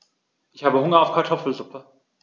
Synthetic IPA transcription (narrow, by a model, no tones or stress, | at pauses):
ʔɪçhaːbəhʊŋɐaʊfkʰaɐtʰɔfl̩zʊpʰə